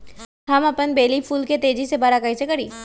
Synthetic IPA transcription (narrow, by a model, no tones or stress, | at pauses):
ɦɐmɐpənbeːlipʰuːlket̪eːd͡ʒisebɐɾakaisekɐɾiː